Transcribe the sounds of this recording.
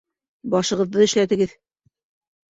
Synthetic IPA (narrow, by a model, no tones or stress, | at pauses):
bɒʃɤ̆ʁɤ̆ðːɤɘ̆ʃlæt̪ɘ̆ɡɘð